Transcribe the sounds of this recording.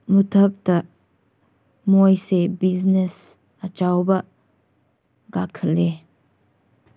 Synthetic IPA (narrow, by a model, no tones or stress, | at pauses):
mutʰɐk̚tɐ | mojsebiznes | at͡ʃawbɐ | ɡakʰəle